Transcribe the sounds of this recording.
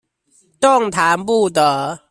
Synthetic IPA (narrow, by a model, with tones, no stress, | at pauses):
tɔ˥˩ŋt̪ʰa˨˦npu˥˩t̪ə˧˩